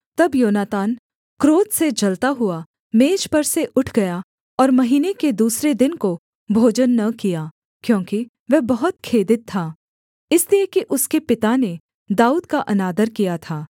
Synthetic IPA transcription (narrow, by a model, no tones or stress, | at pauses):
t̪ɐbjoːnaːt̪aːn | kɾoːt̪sed͡ʒɐlt̪aɦʊa | meːd͡ʒpɐɾseʔʊʈʰɡɐja | ɔːɾmɐɦiːneked̪uːsɾed̪ɪnko | bʱoːd͡ʒənːɐkijaː | kjõːki | ʋɛɦbɐɦʊt̪kʰeːd̪ɪt̪ʰːaː | ɪsliekiʔʊskepɪt̪ane | d̪aːuːd̪kaʔɐnaːd̪əɾkijat̪ʰaː